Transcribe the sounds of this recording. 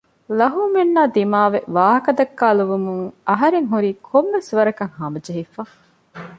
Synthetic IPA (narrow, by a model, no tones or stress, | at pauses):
lɐɦuːmenːaːd̪imaːʋeʋaːɦɐkɐd̪ɐkːaːluʋumuŋɐɦɐɾeŋɦuɾiːkʰomːesʋɐɾɐkɐŋhɐmɐd͡ʒɐɦifaː